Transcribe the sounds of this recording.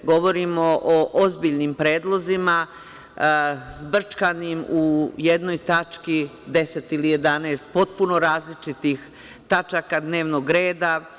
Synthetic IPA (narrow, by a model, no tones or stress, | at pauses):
ɡo̞ʋo̞ɾimo̞ʔoʔozbiʎnimpɾe̞ːd̪lˠo̞zima | zbr̩t͡ʃkanimuje̞d̪no̞jt̪at͡ʃkid̪e̞set̪ilije̞d̪aneːst̪̚po̞t̪̚puno̞ɾaːzlit͡ʃit̪ix | t̪at͡ʃakad̪ne̞ːʋnoɡɾeːd̪a